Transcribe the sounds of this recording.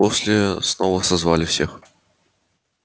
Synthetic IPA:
osʲlʲɪsnovəsɐzvalʲɪfsʲex

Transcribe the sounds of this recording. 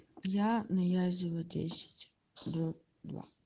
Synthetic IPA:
janɐjazʲɪlˠɐdʲḛsʲɪ̥tʲ | d̪ɔ | d̪va̰

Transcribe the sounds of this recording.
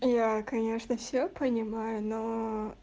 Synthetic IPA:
jakɐnʲeʂnəfsʲopənʲɪmajʊno

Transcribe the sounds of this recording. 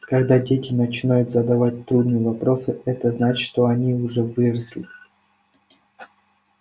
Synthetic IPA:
kɐɡd̪adʲetʲɪnət͡ɕɪnajʊt̪zəd̪ɐvat̚ʲt̪ɾud̪nɨjəvɐpɾo̞sɨɛt̪əznat͡ɕʂt̪oɐnʲiʊʐɛvɨɾəslʲɪ

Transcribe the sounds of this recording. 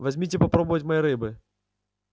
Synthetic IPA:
vɐzʲmʲitʲɪpɐpɾobəvɐtʲmɐjiɾɨbɨ

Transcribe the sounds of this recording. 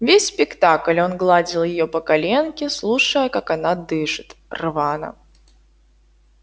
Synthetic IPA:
vʲesʲspʲɪkt̪aklʲo̞nɡlˠad͡zʲɪlˠjɪjopəkɐlʲenkʲɪslˠuʂəjəkakɐnad̪ɨʂɨt̪rvanə̰

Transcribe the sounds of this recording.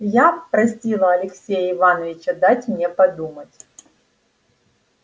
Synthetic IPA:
japɾɐsʲilˠəɐlʲɪksʲejəɪvanəvʲɪt͡ɕəd̪atʲmnʲe̞pɐd̪umətʲ

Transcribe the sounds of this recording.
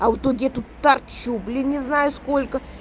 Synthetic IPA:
ɐvʊt̪oɡʲɪɛt̪ut̪t̪ːɐrt͡ɕublʲɪnʲɪznajʊskolʲkə

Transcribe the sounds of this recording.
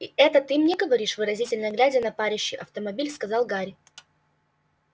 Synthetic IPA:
iɛt̪ət̪ɨmnʲɛɡəvɐɾʲiʂvɨɾɐzʲitʲɪlʲnəjəɡlʲædʲɪjənɐpaɾʲɪɕːɪjʔɐft̪əmɐbʲilʲskɐzɑlˠɡaɾʲɪ

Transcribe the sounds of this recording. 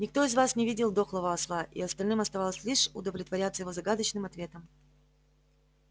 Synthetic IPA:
nʲɪkt̪o̞ɪzvasnʲɪvʲidʲɪlˠd̪o̞xlˠəvəɐslˠaʔḭɐst̪ɐlʲnɨmɐst̪ɐvalˠəsʲlʲiʂʊ̰d̪əvlʲɪt̪vɐɾʲat̪səjɪvozɐɡad̪ət͡ɕnɨmɐt̪vʲe̞t̪əm

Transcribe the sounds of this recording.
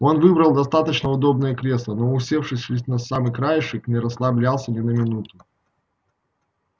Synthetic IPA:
o̞nvɨbɾəlˠd̪ɐst̪at̪ət͡ɕnəʊd̪o̞b̚nəjəkɾʲe̞slˠəno̞ʊsʲe̞fʂɨsʲɪsʲnɐsamɨkɾajɪʂɨknʲɪɾəslˠɐblʲalˠsʲənʲɪnəmʲɪnut̪ʊ

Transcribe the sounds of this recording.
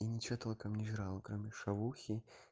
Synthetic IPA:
inʲɪt͡ɕɔt̪ɐlˠɐkamnʲɪʐɾalˠkɾomʲɪʂavuxʲi

